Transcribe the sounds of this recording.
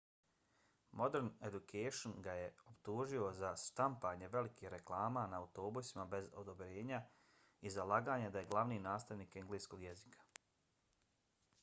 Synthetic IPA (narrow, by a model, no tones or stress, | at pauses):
mo̞d̪eɾned̪ukʰejʃonɡaje̞opt̪uːʒio̞zast̪ampaːɲe̞ʋe̞likixɾe̞klˠaːmanaːut̪o̞ːbusimabe̞zo̞̰d̪o̞bɾe̞ːɲa | izalˠaːɡaːɲed̪aje̞ɡlˠaʋniːnaːst̪aʋniːkeŋɡliːsko̞ɡjezikʰḁ